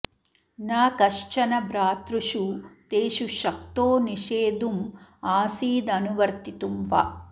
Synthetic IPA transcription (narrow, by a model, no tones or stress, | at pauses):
naːkɐʂt͡ʃɐnɐbɾaːt̪ɾuʃut̪eːʃuʃɐk̚t̪oːniʃeːd̪umaːsiːd̪ɐnuʋɐɾt̪it̪umʋɐ̰